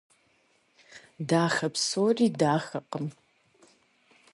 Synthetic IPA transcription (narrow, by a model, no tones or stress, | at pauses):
daːxɐpsoːriːdaːxɐqəm